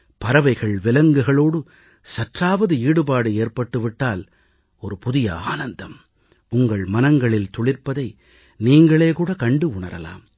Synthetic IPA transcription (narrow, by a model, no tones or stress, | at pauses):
pɐɾɐʋɐɪɣɐɭʋɪlɐŋɡɯɣɐɭoːɽɯ | sɐʈraːʋɐðɯiːɽɯpaːɽɯeːrpɐʈːɯʋɪʈːaːl | ɔɾɯpʊðɪjɐ̰aːnɐnd̪ɐm | ʊŋɡɐɭmɐnɐŋɡɐɭɪlt̪ɔɭɪɾpɐðɐɪ | niːŋɡɐɭeːkuːɽɐkɐɳɖɯʊɳɐ̰ɾɐ̰la̰ːm